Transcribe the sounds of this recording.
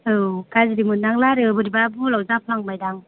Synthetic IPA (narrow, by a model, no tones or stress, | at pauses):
ɯwkazɾimunːaŋlaɾɯbɯɾibabulawzapʰlaŋmajdaŋ